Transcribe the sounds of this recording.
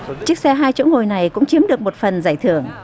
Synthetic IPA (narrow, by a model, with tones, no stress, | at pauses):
t͡ɕɨ˦˥ək̚sɛ˧ɦaː˧jt͡ɕo̰˧˥ŋo˨˩jna˨˩jkʊ̰˧˥ŋ͡mt͡ɕi˨˦mɗɨ˨˩ək̚mo˨˩t̚fə˨˩nzaː˧˩jt̪ʰɨ˧˩əŋ